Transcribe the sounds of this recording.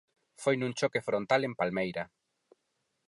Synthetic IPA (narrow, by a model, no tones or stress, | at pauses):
fojnũŋt͡ʃɔkefɾont̪alempalmejɾɐ